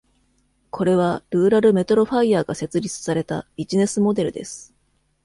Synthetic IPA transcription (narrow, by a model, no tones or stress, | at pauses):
kʰo̞ɾe̞β̞aɾɯ̟ːɾaɾɯ̟me̞t̪o̞ɾo̞ɸaiaːɡase̞t͡sɨɾʲit͡sɨ̥saɾe̞t̪abʲiʑine̞sɨmo̞d̪e̞ɾɯ̟d̪e̞sɨ̥